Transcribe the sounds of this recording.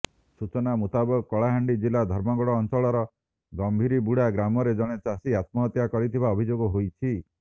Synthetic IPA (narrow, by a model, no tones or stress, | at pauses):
sut͡ʃɔnamut̪abɔkɔɭaɦaɳɖid͡ʒilad̪ʱɔɾmɔɡɔɽɔːnt͡ʃɔɭɔɾɔ | ɡɔmbʱiɾibuɽ̤aɡɾamɔɾed͡ʒɔɽ̃et͡ʃasiat̪mɔɦt̪jakɔɾit̪ʰibaɔbʱid͡ʒoɡɔɦojt͡ʃʰi